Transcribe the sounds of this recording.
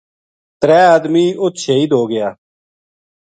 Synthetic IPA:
t̪ɾɛːaːd̪miːʔʊt̪ʃʰeːiːd̪ʱoːɡɪjaː

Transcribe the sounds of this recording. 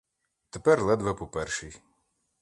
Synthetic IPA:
t̪epɛrlˠɛd̪ʋɛpɔpɛrʃij

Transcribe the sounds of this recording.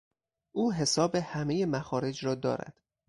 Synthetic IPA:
ʔuːɦe̞sɒːbehæmejemæxɒːɾe̞d͡ʒɾɒːd̪ɒ̰ːɾæ̰d̪̥

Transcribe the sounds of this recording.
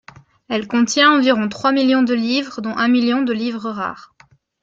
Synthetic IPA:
ɛlkɔ̃t̪jɛ̃ɑ̃viʁɔ̃t̪χwamiljɔ̃d̪əlivʁəd̪ɔ̃ʔɛ̃miljɔ̃d̪əlivʁəʁa̰ːʁ

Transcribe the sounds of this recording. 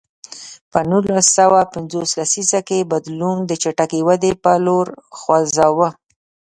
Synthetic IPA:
pənulasːawapɪnzoslasisakebad̪lund̪ət͡ʃaʈakiwad̪epəloɾxwazɑwə

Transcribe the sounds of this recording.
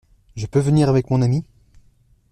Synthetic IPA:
ʒəpøvəniʁavɛkmɔ̃nami

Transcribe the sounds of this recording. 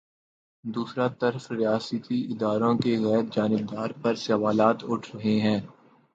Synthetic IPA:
d̪uːsɾat̪ɐɾfɾɪjaːsət̪iɪd̪aːɾõkeɣɛːɾ̚d͡ʒaːnɪb̚d̪aːɾpɐɾsɐʋaːlaːt̪ʊʈʰɾɐɦeɦɛ̃ː

